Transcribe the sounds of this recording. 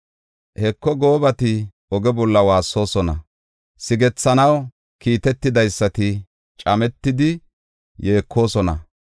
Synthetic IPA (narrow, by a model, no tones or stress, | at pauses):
hɛkːɔɡo̞ːbɐt̪ɪ | ɔɡɛbɔlːɐwaːsːo̞ːsɔnɐ | sɪɡɛt͡sːɐnɐw | kiːt̪ɛt̪ːɪd̪ɐjsːɐt̪ɪ | t͡ʃʼɐmɛt̪ːɪd̪ɪ | je̞ːkʰːo̞ːsɔnɐ̰